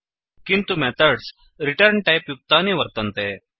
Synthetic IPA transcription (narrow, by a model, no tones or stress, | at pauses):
kint̪umɛt̪əɾɖs | ɾiʈəɾɳʈajpjuk̚t̪aneʋəɾt̪ənt̪e